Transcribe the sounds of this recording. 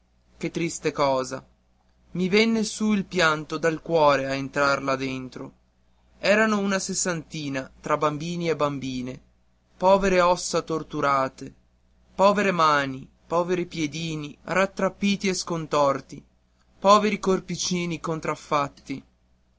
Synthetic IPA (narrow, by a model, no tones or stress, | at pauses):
ket̪ːɾist̪ekɔːza | mivenːesuilpjant̪od̪alkwɔːɾeaent̪ɾarlad̪ent̪ɾo | ɛːɾanounasesːant̪iːnat̪ɾabambiːniebambiːne | pɔːveɾeɔsːat̪ort̪uɾaːt̪e | pɔːveɾemaːni | pɔːveɾipjed̪iːnirat̪ːɾapːiːt̪ieskont̪ɔrt̪i | pɔːveɾikorpit͡ʃiːnikont̪ɾafːat̪ːi